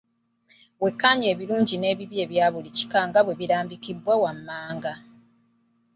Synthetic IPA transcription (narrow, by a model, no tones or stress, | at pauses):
we̞kːaɲe̞ːβiluːɲɟine̞ːβiβje̞ːβjaːβulici̥kaŋɡaβwe̞βiɾaːmbikibwawamːaːŋɡa